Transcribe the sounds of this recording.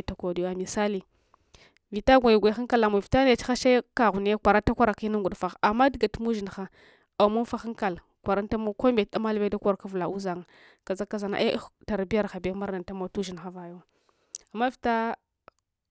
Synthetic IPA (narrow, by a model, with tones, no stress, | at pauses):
ta˨ko˨di˨ja˨mi˨sa˦li˨ | vi˨ta˦ɡʷa˨jɡʷa˨˦xa˦ŋka˦la˨mo˨vi˨ta˦n˦e˨t͡ʃi̥˦xa˦ʃa˦ka˨ɣu˨n˦kʷa˨ɾa˦ta˦kʷa˦ɾa˨ki˦na˦ɡʷu˨ɗfa˨xa˨mːa˦dɡa˨tu˦mu˦ʒi˨nxa˦ | a˨mu˦nfa˦xa˦ŋka˨l | kʷa˨ɾa˦n˦ta˦mo˦ko˦mbe˨t̚ɗa˦ma˦lve˦da˦kʷo˦ɾka˦vu˨la˨u˦za˨ŋ˨ | ka˨za˦kːa˦za˨na̰˨ʔe˦ta˨ɾbi˦ja˦ɾxa˨be˦ma˦ɾna˨nta˦mo˦tu˦ʒi˨n˨xa˦va˨jo˦ | a˨mːa˦vi˨ta˦